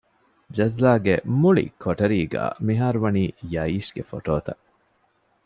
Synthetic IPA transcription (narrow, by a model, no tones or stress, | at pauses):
d͡ʒɐzlaːɡemuɭḭkʰoʈɐɾiːɡa̰ːmiɦaːɾuʋɐniːjɐiːʃɡ̥efo̰ʈoːt̪ɐ̰